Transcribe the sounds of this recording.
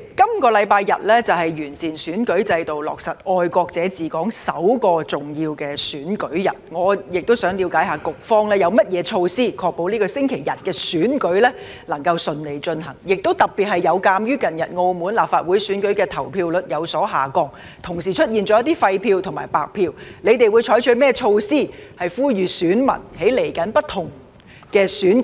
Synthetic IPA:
kɐ˥mkɔː˧lɐ˨˧jpaː˧jːɐ̰˨t̚lɛː˥t͡sɐ˨˩whɐ˨jɥyː˨˩nsiː˨˩nsyː˨˥nkɵ˨˥ɥt͡sɐ˧jt̪o˨wlɔ̰ː˨k̚sɐ˨t̚ɔː˧jkɔː˧k̚t͡sɛː˨˥t͡siː˨kɔː˨˥ŋsɐ˨˥wkɔː˧t͡sʊ˨ŋjiː˧wkɛː˧syː˨˥nkɵ˨˥ɥjɐ˨˩t̚ŋɔː˨˧jɪ˨k̚t̪o˥wsœː˨˥ŋliː˨˧wkaː˨˥jhaː˨kʊ˨k̚fɔː˥ŋlɛː˥jɐ˨˧wmɐ˥t̚jɛː˨˧t͡ʃʰo˧wsiː˥kʰɔː˧k̚po˨˧wniː˥kɔː˧sɪ˥ŋkʰe˨˩jjɐ˨t̚kɛː˧syː˨˥nkɵ˨˥ɥlɛː˥ | lɐ˨˩ŋkɐ˧wsɵ˨˧nle˨˧jt͡ʃɵ˧nɦɐ˨˩ŋjɪ˨k̚t̪o˥wt̪ɐ˨k̚pi˨t̚hɐ˨˩jjɐ˨˧wkaː˧mjyː˥kɐ˨njɐ˨t̚ŋo˧wmuː˨˥nlaː˨p̚faː˧t̚wuː˨˥jsyː˨˥nkɵ˨˥ɥkɛː˧t̪ʰɐ˨˩wpʰiː˧wlɵ˨t̚jɐ˨˧wsɔː˨˥ɦaː˨˩kɔː˧˥ŋ | t̪ʰʊ˨˩ŋs̬iː˨t͡ʃʰɵ˥t̚jiː˨nt͡ʃɔː˨˥jɐ˥t̪iː˥fɐ˧jpʰiː˧wt̪ʰʊ˨˩ŋmaː˨˩jpa̰ː˨k̚pʰiː˧wle˨˧jt̪e˨jwu˨˧jt͡ʃʰɔː˨˥jt͡ʃʰɵ˨˧˥mɛː˥˩t͡ʃʰo˧wsiː˥˩hɐ˨jfuː˥jyː˨˧syː˨˥nmɐ̰˨˩nhe˨˥jle˨˩jkɐ˨˥npɐ˥tt̪ʰʊ˨˩ŋ | kɛː˧syː˨˥n

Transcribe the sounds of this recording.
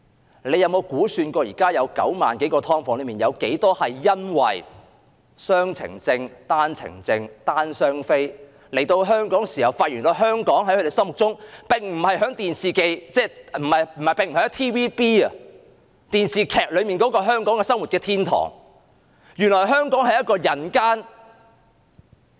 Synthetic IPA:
le˨˧jɐ˨˧wmo˨˧wkuː˨˥syː˧nkɔː˧jiː˨˩kaː˥jɐ˨˧wkɐ̰˨˥wma̰ː˨nke˨˥jkɔː˧t̪ʰɔː˥ŋfɔː˨˥ŋlɵ˨˧miː˨˩njɐ˨˧wke˨˥jt̪ɔː˥hɐ˨jːɐ˥nwɐ̰˨j | sœː˥ŋt͡sʰɪ̰˨˩ŋt͡sɪ˧ŋt̪aː˥nt͡sʰɪ̰˨˩ŋt͡sɪ˧ŋt̪aː˥nsœː˥ŋfe˥j | le˨˩jt̪o˧wɦœː˥ŋkɔː˨˥ŋsiː˨hɐ˨˩wfaː˧t̚jyː˨˩nt̪ɔ˧ɦœː˥ŋkɔː˨˥ŋɦɐ˨˥jkʰɵ˧ɾe˨˩sɐ˥ŋmʊ˨k̚t͡sʊ˥ŋpɪ˨ŋm̩˨˩hɐ˨jɦœː˨˥ŋt̪iː˨nsiː˨ke˧jt͡sɛː˥m̩˨˩ɐ˨jm̩˨˩hɐ˨˩jpɪ˨ŋm̩ː˨˩˨t̪ʰiː˥wiː˥piː˥ɐ˨ | t̪iː˨nsiː˨kʰɛː˨k̚lɵ˨˧ɥmiː˨nkɔː˨˥kɔː˧ɦœː˥ŋkɔː˨˥ŋkɛ˧sɐ˥ŋwu˨t̚kɛː˧t̪ʰiː˥nt̪ʰɔ̰ː˨˩ŋ | jyː˨˩nlɔː˨˩jɦœː˥ŋkɔː˨˥ŋhɐ˨jɐ˥t̚kɔː˧jɐ˨˩nkaː˥n

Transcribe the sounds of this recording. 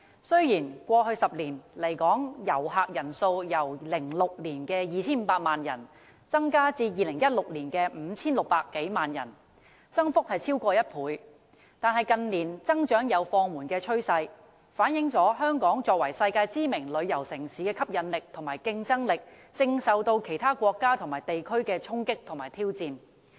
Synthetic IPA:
sɵ˥ɥjiː˨˩nkʷɔː˧ɦɵ˧ɥsɐ˨p̚liː˨˩nle˨˩jkɔː˨˥ŋjɐ˨˩wɦaː˨˩k̚jɐ˨˩nso˧wjɐ˨˩wlɪ˨˩ŋlʊ˨k̚liː˨˩nkɛː˧jiː˨t͡sʰiː˥nm̩ː˨˧˥paː˧t̚maː˨njɐ˨˩n | t͡sɐ˥ŋkaː˥t͡siː˧jiː˧lɪ˨˩ŋjɐ˥t̚lʊ˨k̚liː˨˩nkɛː˧m̩˨˧t͡sʰiː˥nlʊ˨k̚paː˧kːe˨˥jmaː˨˩njɐ̰˨˩n | t͡sɐ˥ŋfʊ˥k̚hɐ˨jt͡sʰiː˥wkʷɔː˧jɐ˥t̚pʰuː˨˥j | t̪aː˨nhɐ˨˩jkɐ˧nliː˨˩nt͡sɐ˥ŋt͡ʃœː˨˥ŋjɐ˨˧wfɔː˧ŋmuː˨˩nkɛː˧t͡ʃʰɵ˥ɥsɐ˧j | faː˨˥njɪ˨˥ŋt͡ʃɔː˨˥ɦœː˥ŋkɔː˨˥ŋt͡ʃɔː˧k̚wɐ˨˩jsɐ˧jkaː˧jt͡siː˥mɪ˨˩ŋlɵ˨˧ɥjɐ˨˩wsɪ˨˩ŋsiː˨˥kɛː˧kʰɐ˥p̚jɐ˨˧nlɪ˨k̚t̪ʰʊ˨˩ŋmaː˨˩jkɪ˧ŋt͡sɐ˥ŋlɪ˨k̚ | t͡sɪ˧ŋsɐ˨wt̪o˧wkʰe˨˩jt̪ʰaː˥kʷɔː˧kːaː˥t̪ʰŋmaː˨˩jt̪e˨jkʰɵ˥ɥkɛː˧t͡ʃʰʊ˥ŋkɪ˥k̚t̪ʰʊ˨˩ŋmaː˨˩jt̪ʰiː˥wt͡siː˧n

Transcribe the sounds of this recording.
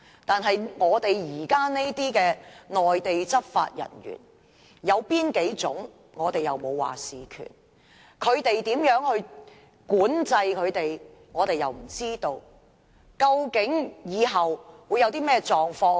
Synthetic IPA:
t̪aː˨nɦɐ˨jŋɔː˨˧t̪e˨jjiː˨˩kaː˥ne˥jt̪iː˥kɛː˧ŋɔː˨jt̪e˨jt͡sɐ˥t̚fa̰ː˧t̚jɐ̰˨˩nɥy̰ː˨˩n | jɐ˨˧wpiː˥nke˨˥jt͡sʊ˨˥ŋ | ŋɔː˨˧t̪e˨jɐ˨˩wmo˨˧wwa̰ː˨siː˨kʰy̰ː˨˩n | kʰɵ˨˧ɥt̪e˨jt̪iː˨˥mjœː˨˥ŋhɵ˧ɥ | kuː˨˥nt͡sɐ˧jkʰɵ˨˧ɥt̪e˨j | ŋɔː˨˧t̪e˨jɐ˨wm̩˨˩t͡siː˥t̪o˧w | kɐ˧wkɪ˨˥ŋjiː˨˧ɦɐ˨wwu˨˧jɐ˨˧wt̪iː˥mɛː˥t͡ʃɔː˨ŋfɔː˧

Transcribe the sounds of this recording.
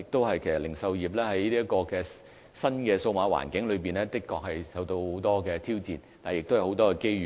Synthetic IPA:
ɪ˨k̚t̪o˥whɐ˨jkʰsɐ˨˩lɪ˨˩ŋsɐ˧wjiː˨˩p̬̚lɛː˥hɐ˨˥jli˥ɐ˥kɔː˧kɛː˧ | sɐ˥nkɛː˧so˧wmaː˨˥wa̰ː˨˩nkɪ˨˥ŋlɵ˨˧ɥpiː˨nɛː˥t̪ɪ˥kːɔː˧k̚hɐ˨jsɐ˨˧wt̪o˧who˨˥wt̪ɔː˥kɛː˧t̪ʰiː˥wt͡siː˨nt̪a˨jɪ˨k̚t̪wo˨˧˥wt̪ɔː˥kɛː˧ke˥jyː˨

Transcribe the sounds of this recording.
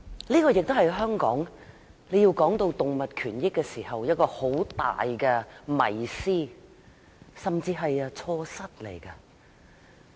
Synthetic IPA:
liː˥kɔː˧jɪ˨k̚t̪o˥whɐ˨jɦœː˥ŋkɔː˨˥ŋ | le˨˧jiː˧wkɔː˨˥ŋt̪o˧wt̪ʊ˨ŋmɐ˨t̚kʰyː˨˩njɪ˥kːɛː˧siː˨˩hɐ˨wjɐ˥t̚kɔː˧ho˨˥wt̪a̰ː˨jkɛ˧mɐ̰˨˩jsiː˥ | sɐ˨mt͡siː˧ɦɐ˨jɐ˧t͡sʰɔː˧sɐ˥t̚le˨˩jkɐ˧

